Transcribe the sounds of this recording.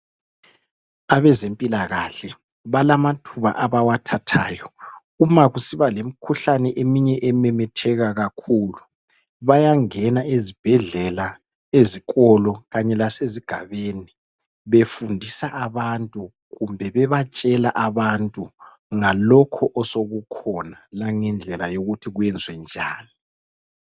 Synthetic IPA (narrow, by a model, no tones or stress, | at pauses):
aβɛzempʼilaɣaɬɛ | βalamatʰuβa̰ʔaβawatʰatʰaːjɔ | umaɣusiβalem̩kʰuɬanɛʔemiɲɛʔɛmɛmɛtʰɛɣaɣakʰuːlu | βajaŋɛnaezib̥ʱɛɮɛla | eziɣʼɔlɔɣaɲɛlaseziɡ̥ʱaβeni | βefundʱisaʔaβantʼu | ɣumbʱɛβɛβat͡ʃʼɛlaʔaβantʼu | ŋalɔkʰɔʔɔsoɣukʰɔnalaŋɛnd͡ɮʱɛlajoɣutʰiɣwɛnd͡zʱwɛnd͡ʒʱaːni